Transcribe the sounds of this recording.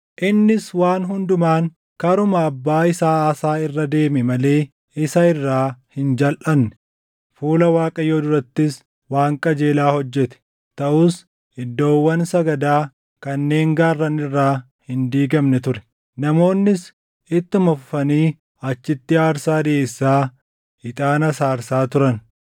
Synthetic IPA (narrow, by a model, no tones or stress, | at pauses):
ʔɪnːɪswaːnɦʊnd̪ʊmaːŋ | kɐɾʊmɐːbːaːɪsaːaːsaːɪrːɐd̪e̞ːmɛmɐle̞ː | ɪsɐɪrːaːhɪnd͡ʒɐlʔɐmnɛ | fuːlɐwaːkʼɐjoːd̪ʊɾɐt̪ːɪs | waːŋkʼɐd͡ʒe̞ːlaːhɔd͡ʒːɛt̪ɛ̥ | t̪ɐʔuːs | ɪd̪ːo̞ːwːɐnsɐɡɐd̪aː | kɐnːe̞ːŋɡaːrːɐnɪrːaː | hɪnd̪iːɡɐmnɛt̪ʊɾɛ̥ | nɐmo̞ːnːɪs | ɪt̪ːʊmɐfʊfɐniː | ɐt͡ʃːɪt̪ːɪaːɾsaːd̪ɛeːsːaː | ɪt̪ʼaːnɐsaːɾsaːt̪ʊɾɐn